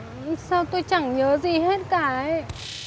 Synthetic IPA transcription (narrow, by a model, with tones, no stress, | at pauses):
saː˧wt̪o˧jt͡ɕa˧˩ŋɲəː˨˦zi˨˩ɦe˦˥t̚kaː˧˩